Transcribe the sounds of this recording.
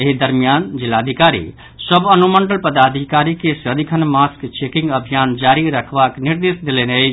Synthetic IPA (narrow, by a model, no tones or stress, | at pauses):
eɦid̪əɾmijand͡ʒilːad̪ʱikaɾḭ | səbənuməɳɖəlpəd̪ad̪ʱikaɾikesəd̪ikʰənmaskt͡ʃekĩŋɡəbʱijand͡ʒaɾiɾəkʰbakniɾd̪esd̪eleneət͡ʃʰ